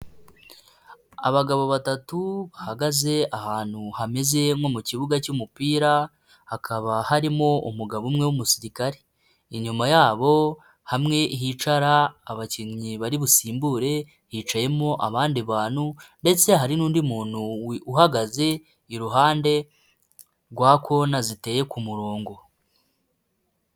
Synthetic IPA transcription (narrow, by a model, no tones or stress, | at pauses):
a̰βaɡaβo̞βatatuβahaɡaze̞ʔahaːn̥huhame̞ze̞mo̞muciβuɡacumupiːɾa | hakʰaβahaɾimo̞ṵmuɡaβumŋe̞wumusiɾikaɾe | iɲumajaːβo̞ | hamŋe̞ʔiɦiːt͡ʃaɾaːβaciɲɲiβaɾiβusiːmbuːɾe̞ | hiːt͡ʃaje̞mo̞ʔaβaːndiβaːn̥hunde̞t͡se̞ɦaɾinuːndimuːn̥uuhaɡaze̞ | iɾuɦaːnde̞ | ɾɡwaːko̞nazite̞ːje̞kumuɾoːŋɡo̞